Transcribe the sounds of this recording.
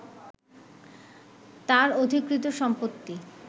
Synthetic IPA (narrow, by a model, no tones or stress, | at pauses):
t̪aɾod̪ʱikɾit̪oʃɔmpot̪ːi